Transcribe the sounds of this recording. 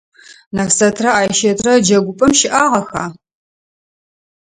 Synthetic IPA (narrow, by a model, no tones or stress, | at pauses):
nafsɐtʰrɐaːjʃɐtʰʼrɐd͡ʒɐɡʷʊpʼɐmʃɪʔaːʁɐxaː